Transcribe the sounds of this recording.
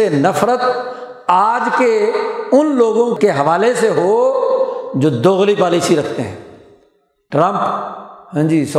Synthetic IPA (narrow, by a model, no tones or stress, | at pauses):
enɐfɾət̪ | aːd͡ʒkeʊnloːɡõkkeɦɐʋaːleseɦoː | d͡ʒoːd̪oːɣlipaːliːsiɾɐkʰt̪eɦɛ̰̃ː | ʈɾə̃mpɦãːd͡ʒiːs